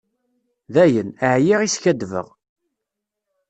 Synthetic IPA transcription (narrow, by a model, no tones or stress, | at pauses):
ðæjənəʕjiʁisçæd̪və̰ʁ